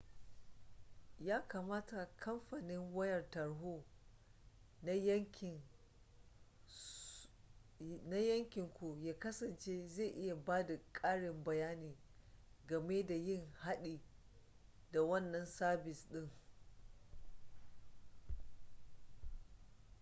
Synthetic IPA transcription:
jaː˦kaː˨maː˦ta˨kʰɐ˦mɸa˨nɪ˦ŋwɐ˦jɐ˨rtɐ˨ɽɦoː˦ | nʲ˦˨ | na˦jɐ˦ŋkʲɪ˨ŋkʷu˨jaː˦kɐ˦sɐ˨nt͡ʃeː˦ze˦˨ʔɪ˦ja˨baː˦da˨kʼaː˦ɽɪ˨mbɐ˨jaː˦niː˨ | ɡɐ˨meː˦da˨jɪ˦˨ŋha˦ɗiː˨ | da˨wɐ˦nːɐ˨nsaː˦bɪ˨sɗɪ˦ŋ

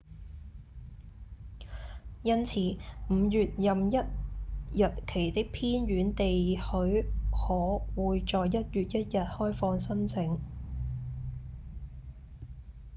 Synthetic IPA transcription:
jɐ˥nt͡sʰiː˨˥m̩ː˨˧jyː˨t̚jɐ˨mjɐ˥t̚jɐ˨t̚kʰe˨˩jt̪ɪ˥k̚pʰiː˥nɥyː˨˥nt̪e˨jhɵ˨˧˥ɥhɔː˨˥wuː˨jt͡ʃɔː˨jːɐ˥t̚jyː˨t̚jɐ˥t̚jɐ˨t̚hɔː˥jfɔː˧ŋsɐ˥nt͡sʰɪ˨˥ŋ

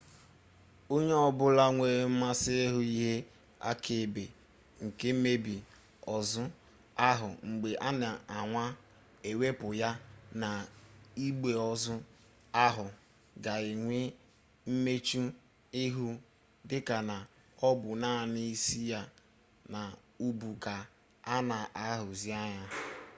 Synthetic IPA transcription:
o˦ɲe˦ɔ˦bʊ˦la˦ŋʷe˨ɾe˦m̩˦ma˦sɪ˦e˦ɦʊ˦i˦ɦe˦ | a̰˦kʰe˨be˨ | ŋ̩˨ke˦m̩˦me˦bi˨ | ɔ˨zʊ˦ | a˦ɦʊ˨ŋ͡m̩˨ɡ͡be˨ʔa˦na˨a˨ŋʷa˦ | e˨we˦pʊ˨ja˦na˨i˦ɡ͡be˨ɔ˨zʊ˦ | a˦ɦʊ˨ | ɡa˨ɪ˨ŋʷɪ˦ | m̩˦me˦t͡ʃu˦ | ɪ˦ɦu˦ | dɪ˦ka˨na˨ | ɔ˦bʊ˨naː˦˨ni˦i˦si˦ja˦ | na˨ | u˦bu˨ka˨ | a˦na˨ʔa˦ɦʊ˨zi˦a˦ɲa˦

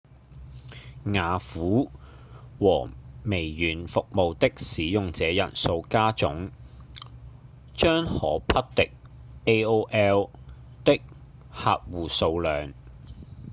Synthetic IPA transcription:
ŋaː˨˧fuː˨˥ | wɔː˨˩me˨˩jjyː˨˩nfʊ˨k̚mo˨wt̪ɪ˥k̚siː˨˥jʊ˨ŋt͡sɛː˨˧jɐ̰˨˩nso˧wkaː˥t͡sʊ̰˨˥ŋ | t͡ʃœː˥ŋhɔ̰ː˨˥pʰɐ˥t̚t̪ɪ˥k̚e˥joː˥ʔɛː˥w | t̪ɪ˥k̚ | ha̰ː˧˨t̚wuː˨˩so˧wlœː˨ŋ

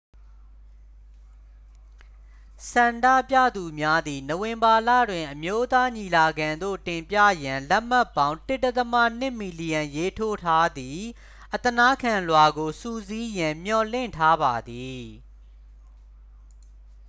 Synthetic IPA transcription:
sã˨nda̰˦˨pjä̰˦˨d̪u˨mja˦d̪i˨no˨wɪ̃˨mba˨la̰˦˨dwɪ̃˨ʔəmjo˦t̪a˦ɲi˨la˨ɡã˨nd̪o̰˦˨tɪ̃˨mpja̰˦˨jã˨lɛ˦ʔm̥a˦˨pːã˦ʊ̃ntɪ˦˨tːɛ˦t̪əma̰˦˨n̥ɪ̃˦˨ʔmi˨li˨jã˨je˦tʰo˦tʰa˦d̪ði˨ | ʔət̪əna˦kʰã˨lwa˨ɡo˨su˦˨zi˦jã˨m̥jɔ˨lɪ̰̃˦˨ntʰa˦ba˨d̪i˨

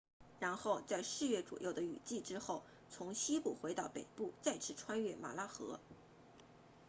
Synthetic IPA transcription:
ɻa˧˥nxo˥˧ʊt͡sa˥˧ɪʂɻ̩˥˧ɥɛ˥˩ʈ͡ʂṵ˨˩jo˥˩ʊd̪ə˩y̰˨˩t͡ɕi˥˩ʈ͡ʂɻ̩˥xo˥˩ʊ | t͡sʰʊ˧˥ŋɕi˥pu˨˩xwe˧˥ɪt̪ɑ˥˩ʊpe˨˩ɪpu˥˩t͡sa˥˩ɪʈ͡ʂʰɻ̩˧˥ʈ͡ʂʰwa˥nɥɛ˥˩ma̰˨˩la˥xɤ˧˥

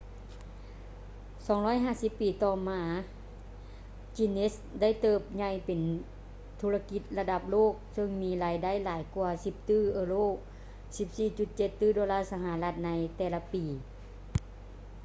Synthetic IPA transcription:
sɔː˨˦ŋlɔː˧˥˨jɦaː˧˥˨si˧˦pːiː˨˩t̪ɔː˧maː˧ | t͡ɕi˧nʔe˦˥s | da˥˨jt̪ɤː˧˩p̚ɲa˧˩jpe˨˩n | t̪ʰu˧la˧ki˧t̪̚la˧da˧˦p̚loː˥˩k̚sɤ˧ŋmiː˧˥laː˨˦jda˥˨jlaː˨˦jku˧ɐsi˧˦p̚t̪ɯː˥˩ʔɤː˧loː˥˩ | si˧˦p̚siː˧˩t͡ɕu˧˦t̪̚t͡ɕe˧t̪ːɯː˥˩doː˧laː˥˨sa˧ɦa˧˦la˧t̪̚na˧˥jt̪ɛː˧˩la˧piː˨˩

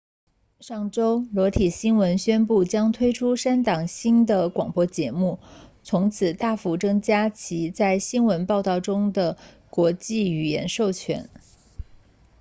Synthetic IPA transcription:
ʂɑ˥˩ŋʈ͡ʂo˥ʊlwɔ˧˥t̪ʰi˨˩ɕi˥nwə˧˥nɕɥɛ˥npu˥˩t͡ɕjɑ˥ŋt̪ʰwe˥ɪʈ͡ʂʰu˥ʂa˥nt̪ɑ˨˩ŋɕi˥nd̪ə˨kwɑ˨˩ŋpwɔ˥t͡ɕjɛ˧˥mu˥˩t͡sʰʊ˧˥ŋt͡sʰɹ̩˨˩t̪a˥˩fu˧˥ʈ͡ʂɤ˥ŋt͡ɕja˥t͡ɕʰi˧˥t͡sa˥˩ɪɕi˥nwə˧˥npɑ˥˧ʊt̪ɑ˥˩ʊʈ͡ʂʊ˥ŋd̪ə˨ | kwɔ˧˥t͡ɕi˥˩y˨˩jɛ̰˧˥nʂo˥˩ʊt͡ɕʰɥɛ̰˧˥n

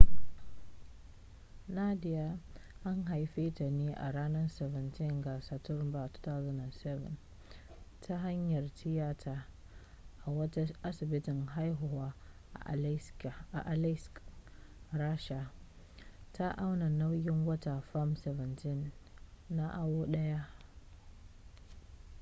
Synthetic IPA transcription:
na˦dɪ˨ja˦ʔa˦ŋɦa˨jɸeː˦ta˨neː˦ʔa̰˨ɾaː˦nɐ˦rsɛ˨vɛ˨ntɪ˦˨ŋɡa˨sa˨tʊ˦rba˨tḁ˦ta˦wzɐ˦na˨nsɛ˦vɛ̰˨n | tʰa˦ɦa˦ɲjɐ˨rtʰɪ˦jaː˦tʰaː˨ | ʔa˨wɐ˦ta˦ʔa˦sɪ˨bɪ˦tɪ˨ŋɦa˦jɦʊ˨waː˦ | ʔa̰˨ʔ | ʔa˨lsk | ɾaː˦ʃa˨ | tʰa˦ʔa˦wna˨na˦wjɪ˦ŋwɐ˦ta˨ɸa˦msɛ˨vɛ˨ntɪ˦nː | a˦ʔa˦woː˦ɗɐ˦ja˦ʔ

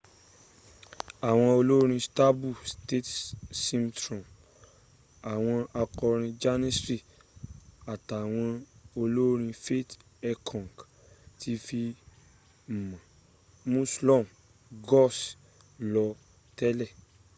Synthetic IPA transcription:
a˨w̃ɔ̃˧o˧lo˦ɾ̃ĩ˧sta˦bu˦˨ste˦˨tsĩ˦mtɾɔ̃˨m | a˨w̃ɔ̃˧a˧kɔ˧ɾ̃ĩ˧d͡ʒa˦nĩ˦sɾi˦˨ | a˨ta˨w̃ɔ̃˧o˧lo˦ɾ̃ĩ˧fe˦t | ɛ˧kʰɔ̃˨ɡ | tʰi˧˦fi˧ | m̩˨mã˨ | mũ˦slɔ˦˨m | ɡɔ˦˨s | lɔ˧ | tɛ˦lɛ˦˨

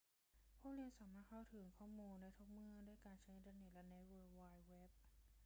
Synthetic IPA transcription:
pʰuː˥˩li˧ənsaː˩˦maː˥˩t̪̚kʰa˥˩wt̪ʰɯ˩˦ŋkʰɔː˥˩muː˧nːa˧˥jt̪ʰo˦˥k̚mɯ˥˩ɐdu˥˩əjkaː˧nt͡ɕʰa˦˥jʔi˧nt̪aː˧ne˨˩t̪̚lɛ˦˥ne˦˥weː˧waː˧jwe˦˥p̚

